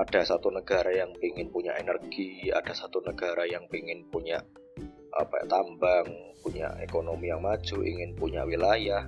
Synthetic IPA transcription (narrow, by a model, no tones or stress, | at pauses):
ʔad̥asat̪unəɡ̥a̤ɾajaŋpiŋɪnpuɲa̰ʔenərɡ̥ia̰d̥a̤sat̪unəɡ̥aɾajaŋpiŋɪnpuɲa̰ʔ | a̰paja̰ʔt̪ambaŋpuɲa̰ʔḛkonomijaŋmḁd͡ʒ̥uʔḭŋɪnpuɲa̰ʔwilajah